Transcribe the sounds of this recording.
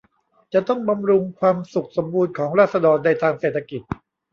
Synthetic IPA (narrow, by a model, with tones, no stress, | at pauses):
t͡ɕa˨˩t̪ɔ˥˩ŋba˧mɾu˧ŋkʰwaː˧msu˨˩k̚so˩˦mbuː˧nkʰɔː˩˦ŋɾaː˥˩t̪̚sa˧dɔː˧nːa˧jt̪ʰaː˧ŋseː˨˩t̪ʰːa˧ki˨˩t̪̚